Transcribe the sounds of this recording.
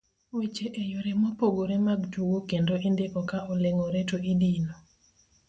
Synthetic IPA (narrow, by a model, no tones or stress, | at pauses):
wet͡ʃeʔejoɾɛmɔpoɡoɾemaɡtuwokendoʔindeʔɔkaɔleŋɔɾɛtoidino